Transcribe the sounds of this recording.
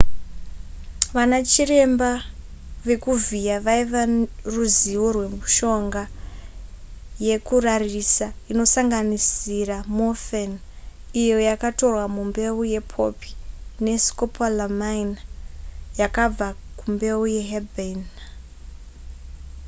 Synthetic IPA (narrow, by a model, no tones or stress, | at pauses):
ʋanat͡ʃire̞mba | ʋe̞kuvijaʋaiʋaruziʋorwe̞muʃo̞ŋɡa | je̞kurarisaino̞saŋɡanisiramofen | ijo̞jakato̞rwamumbe̞uje̞pʰo̞̰pi̥ne̞skopʰalamainajakab͡vakumbe̞uje̞ɦeben